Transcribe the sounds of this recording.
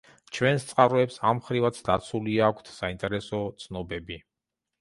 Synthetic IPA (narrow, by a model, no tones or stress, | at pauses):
t͡ʃʰwɛnst̪sʼqʼaɾɔɛpsamχɾivat̪sʰd̪at̪sʰuliakʷʰt̪ʰsaint̪ʼɛɾɛsɔt̪sʰnɔbɛbi